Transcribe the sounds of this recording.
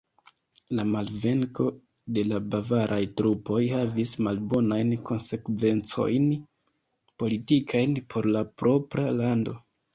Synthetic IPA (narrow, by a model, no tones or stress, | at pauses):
lamalve̞ŋko̞ | de̞labavaɾʔajtɾupo̞jhavismalbo̞najnko̞nse̞kve̞nt͡so̞̰jn | po̞litikʰajnpʰo̞ɾlapɾo̞pɾalando̞